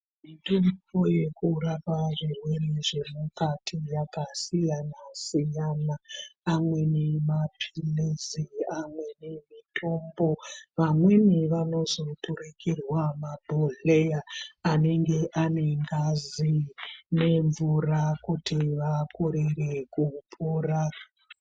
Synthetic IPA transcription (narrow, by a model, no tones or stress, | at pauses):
iturkoje̞kuɾapaʐirwe̞reʐe̞mukatʰijakasijanasijanaːmwe̞nemapʰileziamwe̞nemitʰo̞mbo̞ʋamweniʋano̞zo̞tʰuɾekirwamabʱoɮejaːne̞ŋɡe̞ʔaneŋɡazine̞ɱvurakutiʋakʰoɾerekupʰora